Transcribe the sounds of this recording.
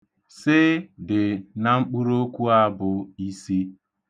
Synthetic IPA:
sɪ˦dɪ˨na˨ŋ͡m̩˦k͡pu˦ɾo˦kʷu˦a˦bʊ˦i˦si˦

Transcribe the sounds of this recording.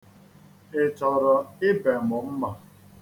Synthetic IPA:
ɪ˨t͡ʃɔ˨ɾɔ˨ɪ˦be˨mʊ˨m̩˦ma˨

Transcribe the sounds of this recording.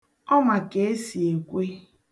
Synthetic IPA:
ɔ˦ma˨ke˨e˦si˨e˨kʷe˦

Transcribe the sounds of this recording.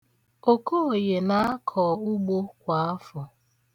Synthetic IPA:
o˦ko˦o˨je˨na˦a˦kʰɔ˨ʊ˦ɡ͡bo˦kʷa˨a˦fʊ˨

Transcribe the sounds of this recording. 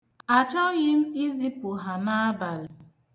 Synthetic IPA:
a˨t͡ʃɔ˦ɣɪ˦m̩˦i˦zi˦pʊ˨ɦa˨na˦a˦ba˨l

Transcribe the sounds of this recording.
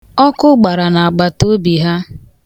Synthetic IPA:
ɔ˦kʊ˦ɡ͡ba˨ɾa˨na˨a˨ɡ͡ba˨to˦bi˨ɦa˦

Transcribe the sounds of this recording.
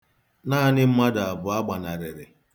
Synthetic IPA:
naː˦nɪ˦m̩˦ma˦da˨a˨bʊ˨a˦ɡ͡ba˨na˨ɾɪ˨ɾɪ˨

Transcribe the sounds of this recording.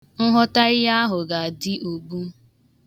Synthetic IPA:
n̩˦ɦɔ˦ta˦ɪ˦ja˦ɦʊ˨ɡa˨a˨dɪ˦ʔo˨ɡ͡bu˦

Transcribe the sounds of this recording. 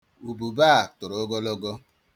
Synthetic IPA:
u˨bu˨baː˦˨tʊ˨ɾɔ˦ɡɔ˦lɔ˦ɡɔ˦

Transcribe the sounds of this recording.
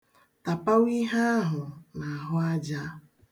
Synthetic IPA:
ta˨pa˦wi˦ɦa˦a˦ɦʊ˨na˨a˨ɦʊ˦a˦d͡ʒa˦

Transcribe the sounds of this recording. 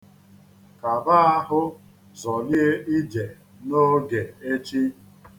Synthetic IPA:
ka˨ba˦a˦ɦʊ˦ | zɔ˨lɪ˦e˦ʔi˦d͡ʒe˨ | no˦ɡe˨e˦t͡ʃi˦

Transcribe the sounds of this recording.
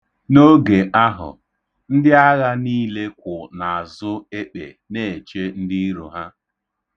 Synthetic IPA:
no˦ɡe˨ʔa˦ɦʊ̰˨ | n̩˦dɪ˦a˦ɣa˦niː˦le˦kʷʊ˨na˨a˨zʊ˦e˦k͡pḛ˨ | ne˦˨e˨t͡ʃe˦n̩˦dɪ˦i˦ɾu˨ɦa˦

